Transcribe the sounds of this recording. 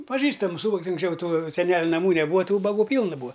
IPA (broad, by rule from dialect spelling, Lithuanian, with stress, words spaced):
pɐˈʒʲiːstɐmʊs ˈuːbɐks ʊŋksʲˈt͡ʃʲɛʊ ˈtuː sʲɛˈnʲæːlʲʊ nɐˈmuː nʲɛˈbuːɐ ˈtuː ʊbɐˈɡuː ˈpʲiːlˠnɐ ˈbuːɐ